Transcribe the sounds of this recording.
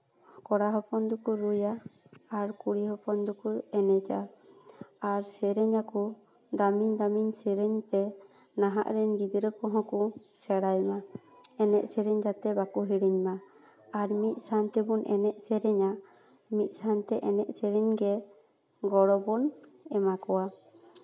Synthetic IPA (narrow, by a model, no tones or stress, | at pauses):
kɔɽaɦɔpɔnd̪ukuɾujaː | ɾkuɽiɦɔpɔnd̪ukuɛnɛd͡ʒa | aɾsɛɾɛɲaku | d̪amiɲd̪amiɲsɛɾɛɲt̪ɛ | naɦa̰ʔɾɛnɡid̪ɾɛkɔ̃ɦɔ̃ku | sɛɽajma | ɛnɛʔsɛɾɛɲd͡ʒat̪ɛbakuɦiɽiɲma | aɾmit̪̚ˀsant̪ɛbunʔɛnɛʔsɛɾɛɲa | mit̪̚ˀsant̪ɛʔɛnɛʔsɛɾɛɲɡɛ | ɡɔɽɔbɔnɛmakɔwa